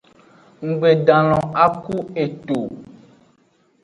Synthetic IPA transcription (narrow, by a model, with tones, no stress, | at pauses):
ŋ̩˨ɡ͡be˨ɖã˨lɔ̃˨a˦ku˦e˨to˨